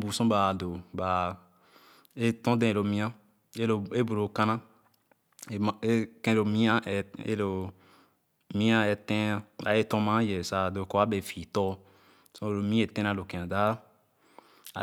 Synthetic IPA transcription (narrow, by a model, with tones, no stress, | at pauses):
bu˨sɔ̃˦ba˨do˨ba˨ | e˦tɔ̃˦dɛ̃˦˨lo˨mĩ˦ã˦ | e˦˨e˦bu˨ɾo˨kã˦nã˦˨ | e˦kɛ̃˦lo˨mĩ˦a˦˨ḛ˦lo˨ | mĩ˦a˦ɛ˨˧tɛ̃˦a˦a̰˨e˦tɔ̃˦mã˦jɛ˨sa˨do˨kɔ˦a˦be˨fi˨tɔ˦ | sɔ̃˦e˨lo˨mĩ˦e˨tɛ̃˦nã˧lo˨kɛ̃˨ã˨da˦ | a̰˨